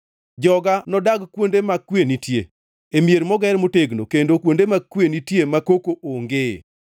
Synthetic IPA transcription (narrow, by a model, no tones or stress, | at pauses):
d͡ʒɔɡanɔdaɡkwondemakːwenitjḛ | emjeɾmɔɡɛɾmoteɡnokendokwondemakːwenitjemakokoʔoŋɡḛ